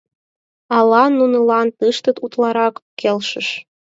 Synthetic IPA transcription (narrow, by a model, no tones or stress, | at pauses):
ɑlˠɑnunɤ̆lɑnt̪ɨʃt̪ɤ̆t̪ut̪lɑɾɑkkelʃə̆ʃ